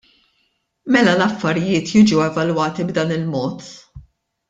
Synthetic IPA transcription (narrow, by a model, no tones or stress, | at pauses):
mɛlɐlɐfːɐɾɪjɪːt̪jiːd͡ʒuwɛvɐlwɐːt̪ibd̪ɐːnɪlmɔːt̪